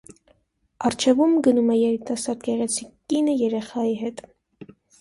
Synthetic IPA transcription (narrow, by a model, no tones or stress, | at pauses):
ɑɾt͡ʃʰɛvumɡənumɛjɛɾit̪ɑsɑɾd̪ɡɛʁɛt͡sʰikkːinəjɛɾɛχɑjiɦɛt̪